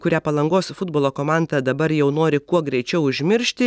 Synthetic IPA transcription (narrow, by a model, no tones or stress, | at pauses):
kʊɾʲæːpɐlˠɐŋɡoːsfʊd̪̚boːlˠoːkoːmɑˑnd̪ɐd̪ɐbɐɾjɛʊnoːɾʲɪkuɔɡɾʲɛɪt͡ʃʲɛʊʊʒʲmʲɪɾʲʃʲt̪ʲɪ